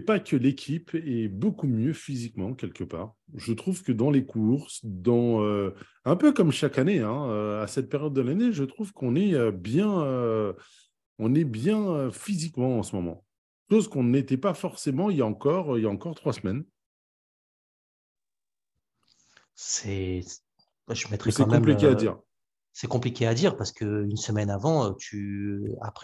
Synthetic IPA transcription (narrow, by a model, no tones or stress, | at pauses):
pakʰəlekʲʰipɛbokumjøfizikmɑ̃kʲɛlkəpa̰ːʁ | ʒət̪χuvkəd̪ɑ̃lekʰuʁsd̪ɑ̃ø | ɛ̃pøkɔmʃakaneɛ̃øasɛt̪̚peʁjɔd̪ːəlaneʒət̪χuvkɔ̃nɛøbjɛ̃ø | ɔ̃nɛbjɛ̃øfizikmɑ̃ːsəmɔmɑ̰̃ | ʃozkɔ̃net̪ɛpafɔʁsemɑ̃iljaɑ̃kɔʁøiljaɑ̃kɔʁt̪χwasəmɛn | sɛ | aʒəmɛt̪χɛksɛɑ̃mkɛɔ̃mpliead̪ḭːʁ | sɛkɔ̃plikʲead̪iʁpaʁsə̥kəynsəmɛnavɑ̃øt̪ʰya̰pχ